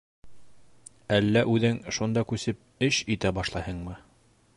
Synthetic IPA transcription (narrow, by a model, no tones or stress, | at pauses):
ælːæʔʉðɘŋʃund̪ɑkʉsɘp̚ɘʃit̪æbɑʃlˠɑhɤɴmɤ